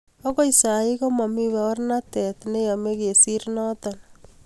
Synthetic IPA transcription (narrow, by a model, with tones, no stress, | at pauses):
oɣo˦isa˨i˦ɣo˦mo˨mi˦βa˨o˦ɾnate˨tne˦jo˨me˦ɣe˨si˦ɾnɔ˦t̪a˨na